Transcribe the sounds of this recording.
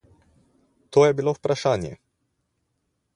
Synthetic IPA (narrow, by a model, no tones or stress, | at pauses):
t̪oːjɛbilowpɾaʃaːnjɛ̰